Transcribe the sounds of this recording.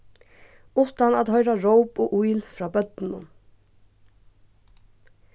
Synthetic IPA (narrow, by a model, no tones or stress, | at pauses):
ʊst̪ɑnɑːd̪hœʏɾɑɹoʊboːʔuɪlfɾɑːbœd̪n̩ʊ̰m